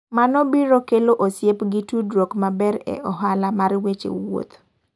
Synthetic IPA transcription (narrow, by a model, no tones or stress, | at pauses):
manɔbiɾokeloʔosjepɡitudɾokmabɛɾɛ̰ʔɔɦalamarwet͡ʃḛwo̰t̪